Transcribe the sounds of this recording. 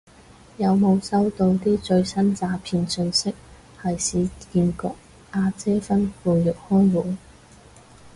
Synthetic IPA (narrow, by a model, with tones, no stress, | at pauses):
jɐ˨˧wmo˨˧wsɐ˥wt̪o˧wt̪iː˥t͡ʃɵ˧ɥsɐ˥nt͡saː˧pʰiː˨˧nsɵ˧nsɪ˥k̚ | hɐ˨jsiː˨˧kiː˧nkɔː˧k̚ | ʔaː˧t͡sɛː˥fɐ˥nfuː˨jɵ˨˩k̚hɔː˥ŋwuː˨˥n